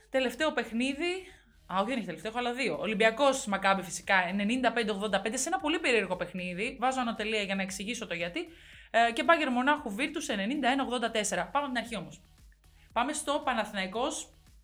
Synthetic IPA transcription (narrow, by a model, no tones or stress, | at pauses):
t̪e̞le̞ft̪e̞o̞pe̞xniði | ɐoçoðeneçit̪eleft̪exoɐlɐðio̞ːlimbiɐko̞smɐkɐbifi̥si̥kɐene̞nind̪ɐpend̪eo̞ɣðo̞nd̪ɐpe̞nd̪eseenɐpo̞lipe̞ɾie̞ɾɣo̞pe̞xniðivɐzoɐno̞t̪e̞liɐʝɐnɐe̞ksiʝiso̞t̪o̞ʝɐt̪i | ce̞bɐʝe̞ɾmo̞nɐxuviɾt̪usene̞nind̪ɐenɐoɣðo̞nd̪ɐt̪ese̞ɾɐpɐmeɐt̪inɐɾçio̞mo̞s | pɐme̞st̪o̞pɐnɐθnɐiko̞s